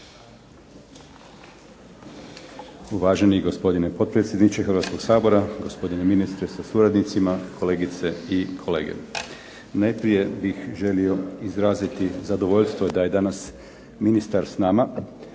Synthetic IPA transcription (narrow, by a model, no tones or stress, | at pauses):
uʋaːʒe̞niɡo̞spo̞d̪inepo̞t̪̚pɾet̪sjed̪nit͡ʃexɾʋat̪ko̞ɡ̥saːbo̞ɾaɡo̞spo̞d̪ineminist̪ɾesasuɾad̪nit̪simakʰo̞le̞ːɡit̪se̞ikʰo̞lḛːɡḛ | najpɾije̞bixʒe̞lio̞izɾaːzit̪izad̪o̞ʋo̞ʎst̪ʋod̪aje̞d̪anas | minist̪aɾsnaːma